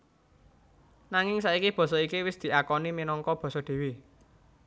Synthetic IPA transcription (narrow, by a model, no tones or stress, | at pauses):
naŋɪŋsaʔikib̥ɔ̤sɔikiwɪsd̪̥i̤akɔniminɔŋkɔb̥ɔ̤sɔd̪̥e̤wi